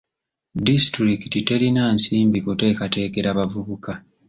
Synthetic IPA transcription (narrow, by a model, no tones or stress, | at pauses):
distɾikitite̞linansiːmbikute̞ːkate̞ːke̞ɾaβavuβuka